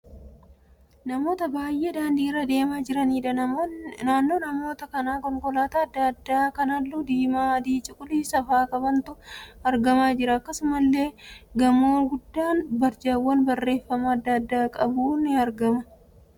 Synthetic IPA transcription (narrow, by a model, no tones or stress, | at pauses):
nɐmo̞ːt̪ɐbaːjʔeːd̪aːnd̪iːɪrɐd̪e̞ːmad͡ʒɪɾɐniːᶑɐnaːnːo̞ːnɐmo̞ːt̪ɐkɐnaːkɔŋkʼɔlaːt̪ɐɐd̪ːɐd̪ːaːkɐnɐlːud̪iːmaːɐd̪iːt͡ʃʼɪkʼʊliːsɐfaːkɐbɐnt̪ʊɐɾɡɐmaːd͡ʒɪɾɐːkːɐsʊmɐlːe̞ːɡɐmoːɡʊd̪ːaːnbɐɾd͡ʒawːɐnbɐrːe̞ːfːɐmɐːd̪ːɐd̪ːaːkʼɐbuːnɪɐɾɡɐmɐ